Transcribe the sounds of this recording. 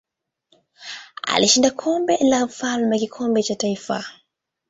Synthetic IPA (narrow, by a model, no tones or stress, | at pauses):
a̰liʃindakʰɔmbɛlam̩falmakikʰɔmbɛt͡ʃataifa̰